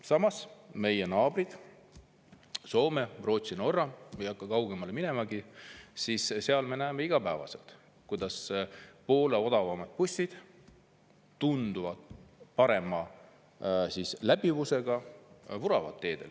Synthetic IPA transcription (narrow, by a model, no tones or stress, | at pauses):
sɑmɑsme̞jenɑːb̥rid̪̥ | so̞ːme̞ro̞ːt̪sino̞rːɑmejɑkːˑɑkɑwɡ̥e̞mɑlemine̞mɑɡisiːsse̞ɑlme̞næːme̞iɡ̥ɑpæːvɑ̰se̞̰lt̪ | kujd̪̥ɑspo̞ːleo̞d̪̥ɑvɑmɑd̪̚pusʲid̪̥ | t̪und̪̥uvɑd̪̥pɑɾe̞mɑ | sislæbivuse̞ɡ̥ɑvuɾɑvɑ̰t̪ːe̞ːd̪̥e̞̰l